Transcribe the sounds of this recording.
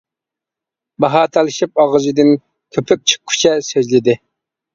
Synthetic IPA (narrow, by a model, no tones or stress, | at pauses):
bɑɦɑːt̪ʰɑlˠɨʃip̚ɑʁɨʒid̪ɨn | kʲʰøpʰyk̚ʲt͡ʃʰə̥χʰy̥t͡ʃʰɛsøzlɪd̪ɪ